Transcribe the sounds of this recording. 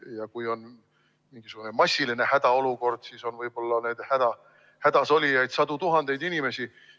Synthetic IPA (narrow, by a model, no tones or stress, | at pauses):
jɑkujo̞n | miŋɡ̥isukune̞mɑsʲːiline̞hæd̪ɑo̞luko̞rd̪̥siːso̞nvɤjb̥o̞lːɑned̪̥hæd̪̥ɑ | hæd̪̥ɑso̞lʲijɑjd̪̥sɑd̪ut̪uɦɑnd̪̥e̞jd̪inime̞si